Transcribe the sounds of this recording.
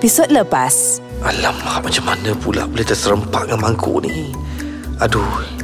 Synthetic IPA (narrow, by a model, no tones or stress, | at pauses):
pisod̚ləpas | ʔalamamat͡ʃamːanəpula̰bolaht̪əsəɾəmpaʔŋaŋmaŋkʰo̰ʔni | adu